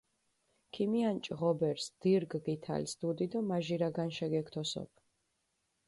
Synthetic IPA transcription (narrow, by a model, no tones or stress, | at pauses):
kʰimiant͡ʃʼʁɔbɛɾsd̪̥iɾɡɡit̪ʰa̰lsd̪ud̪id̪ɔmaʒiɾaɡanʃɛɡɛkʰt̪ʰɔsɔ̰pʰ